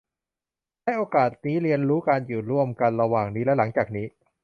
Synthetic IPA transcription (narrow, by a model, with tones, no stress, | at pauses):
ha˥˩jʔoː˧kaː˨˩t̪̚niː˦˥ɾi˧ənɾuː˦˥kaː˧njuː˨˩ɾu˥˩əmka˧nɾa˧waː˨˩ŋniː˦˥lɛ˦˥la˩˦ŋt͡ɕaː˨˩k̚niː˦˥